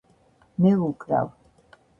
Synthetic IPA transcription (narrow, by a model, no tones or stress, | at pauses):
mɛukʼɾa̰w